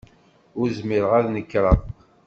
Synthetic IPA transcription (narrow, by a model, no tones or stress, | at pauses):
ʊɾzmɪɾʁaðnəkːɾˤɑ